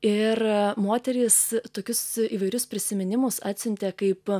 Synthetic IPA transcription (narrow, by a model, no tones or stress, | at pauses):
ɪrmoːt̪ʲɛɾʲiːst̪oːkʲʊsiːʋɐɪɾʲʊspʲɾʲɪsʲɪmʲɪnʲɪmʊsɑːt̪ʲsʲʊnʲt̪ʲeːkɐɪp